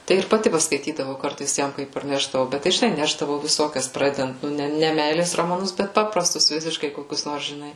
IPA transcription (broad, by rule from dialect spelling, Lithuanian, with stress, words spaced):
tɐɪ ɪr pɐˈtʲɪ pɐskɐɪˈtʲiːdɐʋɐʊ ˈkɐrtɐɪs ˈjɛm ˈkɐɪp pɐrʲˈnʲæːʒdɐʋɐʊ ˈbʲɛt tɐɪ ʒʲɪˈnɐɪ ˈnʲæːʒdɐʋɐʊ ʋʲɪˈsoːkʲɛs ˈprɑːdʲɛdɐnt nʊ ˈnʲɛ ˈnʲɛ ˈmʲɛɪlʲeːs roːmɐˈnʊs ˈbʲɛt ˈpɑːprɐstʊs ˈʋʲɪsʲɪʃkɐɪ koːˈkʲʊs ˈnoːrs ʒʲɪˈnɐɪ